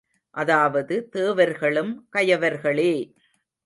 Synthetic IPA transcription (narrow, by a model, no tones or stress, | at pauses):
ʔɐðaːʋɐðɯt̪eːʋɐɾɣɐɭɯmkɐjɐʋɐɾɣɐɭeː